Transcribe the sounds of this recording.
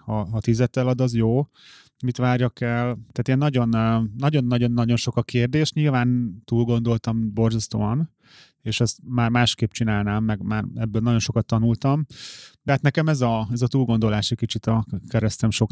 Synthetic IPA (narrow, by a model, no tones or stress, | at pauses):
hɒɦɒt̪izɛt̪ːɛlɒd̪ɒzjoː | mit̪ʋaːrjɒkɛlt̪aːt̪eːnːɒɟo̞nnɒɟo̞nːɒɟo̞nːɒɟo̞nʃo̞kɒkeːrd̪eːʃt̪ɲiːlvaːnt̪uːlɡo̞nd̪o̞lt̪ɒmbo̞rzɒst̪oːɒn | eːʃɛst̪maːrmaːʃkeːpt͡ʃinaːlnaːmːɛɡmaːrɛbːøːlnɒɟo̞nʃo̞kɒt̪ːɒnult̪ɒmd̪ɛɦat̪nɛkɛmɛzɒɛzɒt̪uːlɡo̞nd̪o̞laːʃɛcʲkit͡ʃit̪ɒkɛɾɛst̪ɛmʃo̞k